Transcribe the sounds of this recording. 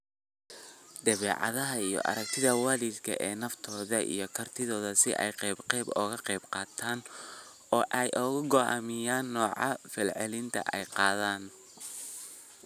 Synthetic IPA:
d̪ɐβɛːʕɑ̰ðɐɦɐijɔ̰ʔɐ̰ɾɐk̚t̪ʰɪðɐwaːliːd̪kʰɐ̰ʔɛːnɐft̪ʰɔːðɐʔḭjɞkʰɐrt̪ʰɪðɔːðɐsɪ̰ʔɛ̰jqɛːbqɛjbɔ̰ːɣɐqɛjbqɑːt̪ʰaːn | ɔːʔɛjʔɔːɣʊɡɔʔa̰ːmɪjaːnːɔːʕɑ̰fɛlʕɛlɪnt̪ʰɐ̰ʔɛjqɑːðaːn

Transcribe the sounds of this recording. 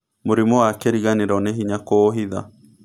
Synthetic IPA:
moɾimɔwakɛɾiɣaneɾɔneɦiɲakoɦiða̰

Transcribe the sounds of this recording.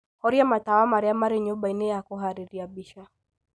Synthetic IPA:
hɔɾiamatawamaɾɛamaɾiɲuɓainɛjakuɦaɾiɾiaɓiʃa

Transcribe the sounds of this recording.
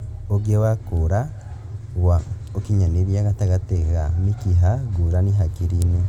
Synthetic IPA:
oɡewakuɾa | wa | okiɲaneɾjaɡataɡatekamikiɦaɡuɾaniɦakiɾiːne

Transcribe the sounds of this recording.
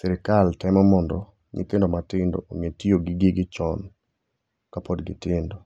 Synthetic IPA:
sɛɾɪkaltɛmɔmɔndɔ | ŋɪ̰t̪ɪndɔmatɪndɔ̰oŋetioɡɪɡɪɡɪt͡ʃɔn | kapɔdɡɪ̰tɪndɔ

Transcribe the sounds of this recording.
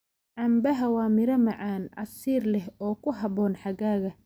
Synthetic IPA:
ʕɑmbɐɦɐwɑːmɪɾɐmɑʕaːnɑ̰siːrlɛhɔːkʰʊɦɑβɔːnħɑɣaːɣɐ

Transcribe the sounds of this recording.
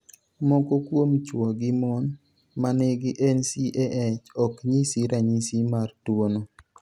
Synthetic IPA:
mɔkokwomt͡ʃwɔɡɪmɔn | manɪɡɪʔɛnsiʔeʔɛt͡ʃɔkɲisiɾaɲisimartwono

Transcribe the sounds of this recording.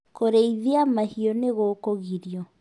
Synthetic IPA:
koɾeiðiamahiɔneɣoːkoɣiɾiɔ

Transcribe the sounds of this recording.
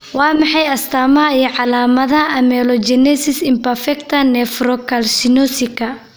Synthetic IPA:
wɑːmɑħɑjɐst̪ʰaːmɐɦɐijɔʕɑlaːmɐðɐɐʔɐmɛlɔd͡ʒɛnɛsɪsɪmpɐrfɛkt̪ʰɐnɛfrɔkʰɐlsɪnɔsɪkʰɐ

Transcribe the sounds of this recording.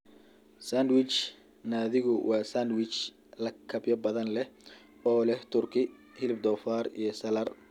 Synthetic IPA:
sandwɪt͡ʃ | naːðɪɣʊwʔɑːsaːnd̪wɪt͡ʃ | lɐkʰɐbjɐbɐðɐnlɛh | ɔːlɛht̪ʰʊrkʰɪ | hɪlɪb̚d̪ɔːfaːrḭjɞsɐlɐr

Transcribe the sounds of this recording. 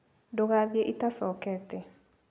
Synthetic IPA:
doɣaðjeʔitasɔkɛtɛ

